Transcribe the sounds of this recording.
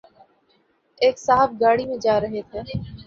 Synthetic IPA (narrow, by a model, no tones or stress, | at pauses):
eːksaːɦəb̚ɡaːɽimẽd͡ʒaːɾəɦet̪ʰeː